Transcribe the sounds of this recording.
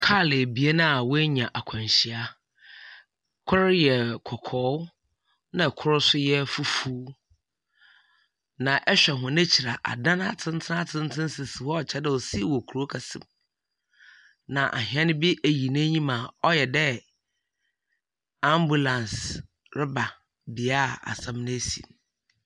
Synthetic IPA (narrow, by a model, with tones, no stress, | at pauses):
kʰaː˦˨lɪ˨bi˨˦e˦nã˦a˨wʊ˦e˦ɲã˨ʔa˨kʷʰã˨ɲɕi˨a˦ | kʰʊ˦ɾɪ˦jɛ˨kʰɔ˨kʰɔː˨˦ | nã˨kʰʊ˦ɾʊ˦sʊ˦jɛ˦fu˦fuː˦ | nã˨ʔɛ˦ɕᶣɛ˨ɦʊ̃˨nɪ̃˦t͡ɕʰi˨ɾa˨ʔa̰˨dã˦n˦a˦˨tʰɪ̃˦n˦tʰɪ˦na˦tʰɪ̃˦n˦tʰɪ̃˦n˦sɪ˨sɪ˨wɔ˦ɔ˨t͡ɕʰɛ˦dɛ˨wɔ˨si˦˨wɔ˨kʰu˨ɾo˦kʰa˨sɪ̰̃˨m | nã˨ʔa̰˨ɦĩ˨˦ã˦nɪ̃˦bi˦ʔæ˨ji˨nɪ̃˦ɲĩ˦mã˨ɔ˦jɛ˨dɛ˦ | a˦mbu˨lã˨ns | ɾɪ˦ba˨ | bi˨a˦˨a̰˨sã˦mnɪ̃˦e˦sḭ˨n